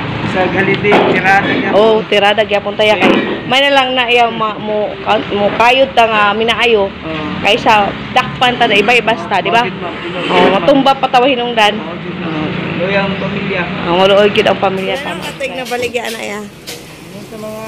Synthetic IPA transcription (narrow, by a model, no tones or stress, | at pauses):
saɡalɪd̪et̪ɪɾad̪aɡaʔot̪ɪɾaːd̪aɡjapʊnt̪ajakajmajnalaŋnaʔijamamokamʊkaːjʊt̪ːaŋamɪnaʔajo | kajsa | d̪ak̚pant̪adaɪbajbast̪ad̪ɪba | ʔomat̪ʊmbapat̪awahɪnʊŋd̪an | oljaŋpamiljao̰maloʔojɡʊd̪aŋpamiljat̪amaat̪ɪnabalɪɡjaʔnaʔḭja